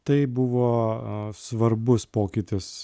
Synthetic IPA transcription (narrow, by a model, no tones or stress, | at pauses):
t̪ɐɪbʊʋoːsʋɐɾbʊspoːkʲɪt̪ʲɪs